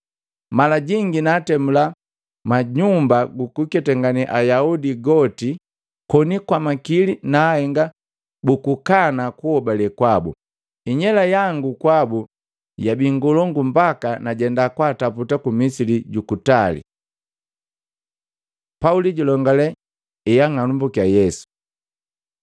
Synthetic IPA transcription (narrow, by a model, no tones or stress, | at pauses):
malaɟiŋɡinaːtɛmula | maɲumbaɡukukɛtɛŋɡaniʔajaudiɡɔti | kɔnikwamakilinaːhɛŋɡa | bukukanakuhɔbalɛkwabṵ | iɲɛlajaŋɡukwabu | jabiŋɡɔlɔŋɡumbakanaɟɛndakwaːtaputakumisiliɟukutalḭ | pauliɟulɔŋɡalɛ | ɛjaŋanumbukjajɛsu̥